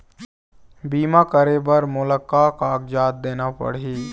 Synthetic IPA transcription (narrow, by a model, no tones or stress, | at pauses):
biːmakəɾebəɾmʊləkːaːkaːɡd͡ʒaːt̪̚d̪eːnapə̰ɽiː